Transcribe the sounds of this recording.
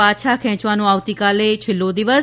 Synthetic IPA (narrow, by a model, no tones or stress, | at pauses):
aːʃʰakʰɛ̃ːt͡ʃʋanõaːʋt̪ikalet͡ʃʰɪlːod̪iʋəs